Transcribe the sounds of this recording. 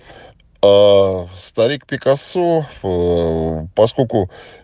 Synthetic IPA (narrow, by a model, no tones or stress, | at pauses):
ast̪ɐɾʲik̚pʲɪkasu | pɐskolʲkʊ